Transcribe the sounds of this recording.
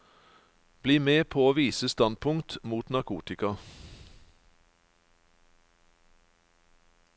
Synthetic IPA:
b̥liːmeːpʰoːoːʋiːsəst̪ɑn̚pʰʊŋt̪muːt̪nɑkʰṵːt̪ɪkɑ

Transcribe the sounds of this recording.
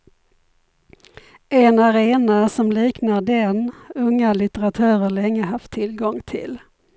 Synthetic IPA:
ɛnaɾeːnasɔmliːknaɖɛnɵŋːalɪt̪əɾat̪ʰœːɾəɭɛŋːəɦaft̪ʰːɪlɡɔŋt̪ʰɪ̰l

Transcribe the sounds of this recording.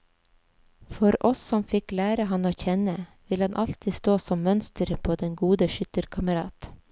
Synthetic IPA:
fɔɾʔɔsːɔmfɪklæːɾəɦɑnoːçɛnəʋɪlhɑnʔɑlt̪ʰɪst̪oːsɔmmœnst̪əɾpʰoːd̪ɛŋɡuːd̪əʃʏt̪əɾkʰɑməɾɑːt̪

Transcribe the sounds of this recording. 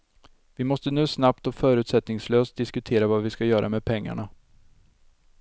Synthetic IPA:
vɪmɔst̪ənʉ̟ːsnapt̪ɔfœːɾʉ̟ːt̪sɛt̪nɪŋsløːst̪̚d̪ɪskɵt̪ʰeːɾavavɪskajœːɾʔa̰mɛd̪̚pʰɛŋːa̰ɳa

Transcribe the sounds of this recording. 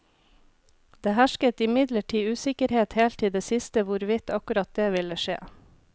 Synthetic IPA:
d̪̥eːhæʃkət̪ɪmɪd̪ləʈʰiːʉːsɪkəɾheːt̪heːlt̪ʰiːd̪eːsɪst̪əʋʊɾʋɪt̪ɑkʉɾɑt̪̚d̪eːʋɪləʃḛː

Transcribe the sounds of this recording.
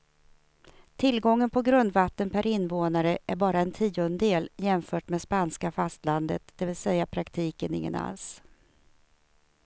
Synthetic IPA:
t̪ʰɪlɡɔŋːənpʰɔɡɾɵnd̪vat̪ːənpʰæɾɪnːvoːnaɾəʔæɾbɑːɾaɛnt̪ʰiːʊnd̪eːljɛmfœːʈmeːd̪spanskafast̪land̪ət̪d̪̥ɛvɪlsɛjːapʰɾakt̪ʰiːkənɪ̰ŋːə̰na̰ls

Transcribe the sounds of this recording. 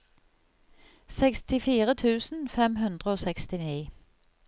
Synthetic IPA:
sɛkst̪ɪfiːʁət̪ʰʉːsn̩fɛmɦʉnd̪ʁəoːsɛkst̪ɪniː

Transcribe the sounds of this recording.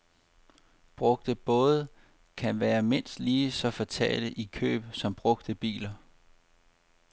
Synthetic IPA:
b̥ʁɔ̽ɡ̥̚d̥əb̥ɔ̽ːð̞ˠ | kʰænʋæːɐme̝n̰sd̥liːsɒ̽fɒ̽t͡sʰɛ̰ːləʔikʰø̰ːb̥sɒ̽mb̥ʁɔ̽ɡ̥̚d̥əb̥ḭːlɐ

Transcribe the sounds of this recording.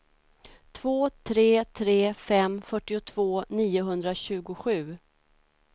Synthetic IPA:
t̪ʰv̥oːt̪ʰɾeːt̪ʰɾeːfɛmfœʈːɪʊt̪ʰv̥oːniːʊɦɵnd̪ɾaɕʉ̟ːɡʊɧʉ̟ː

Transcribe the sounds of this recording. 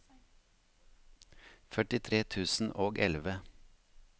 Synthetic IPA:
fœʈɪt̪ʰɾeːt̪ʰʉːsn̩ʔoːɡʔɛ̰lʋə

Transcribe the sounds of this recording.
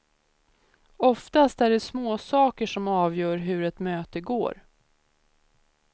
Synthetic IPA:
ɔft̪ast̪æɖɛsmoːsɑːkəʂɔmɑːvjœːɾɦɵɾɛt̪møːt̪əɡo̰ːɾ

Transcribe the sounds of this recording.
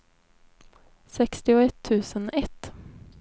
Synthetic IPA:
sɛkst̪ɪʊɛt̪ʰːʉ̟ːsənɛt̪ː

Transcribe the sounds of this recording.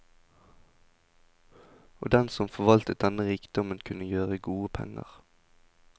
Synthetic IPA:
o̰ːd̪ɛnsɔmfɔʋɑlt̪ət̪̚d̪ɛnəʁiːkd̪̥ɔmənkʰʉnəjøːʁəɡuːəpʰɛ̰ŋə̰ʁ

